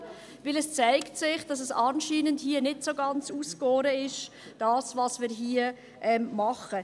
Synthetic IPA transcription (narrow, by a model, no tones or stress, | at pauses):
vɪlɛst͡saɪktsɪχd̥ɑs̬ɛsɑːnʃiːnəndhiənɪtsoɡɑnt͡suːskoːɾəɪʃ | d̥ɑːsvɑsmɪːɾɦiːə | ʔɛmmɑχə